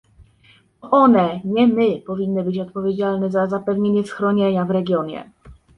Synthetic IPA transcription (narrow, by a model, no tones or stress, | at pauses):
ɔʔɔnɛɲɛmɘpɔvʲinːɘbɘt͡ɕɔt̪̚pɔvʲjed͡ʑalnɛzazapɛvɲeɲɛsxɾɔɲeɲavɾɛɡʲjɔɲɛ̰